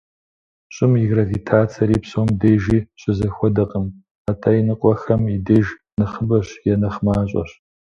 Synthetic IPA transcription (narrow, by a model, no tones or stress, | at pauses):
ɕʼɪmiɡrɐvitʰaːt͡sʰɐɾiːpsoːmdeːʒiːɕʼɪzɐxʷɔdɐqʼəm | aːtʰaːjinɨqʷʼɔxɐmideːʒ | nɨχəbɐɕjɛnɐχmaːɕʼɔ̰ɕ